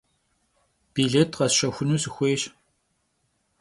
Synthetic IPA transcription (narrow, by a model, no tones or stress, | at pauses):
b̥iːɮeːtʰqɐsʃɐxʷʊnuːsɨxʷeːɕ